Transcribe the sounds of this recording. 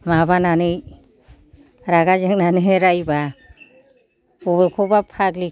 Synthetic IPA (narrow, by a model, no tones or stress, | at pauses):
mabananɯj | ɾaɡazeŋnanɯɦeɾajba | ɔbekʰɔbapʰaɡli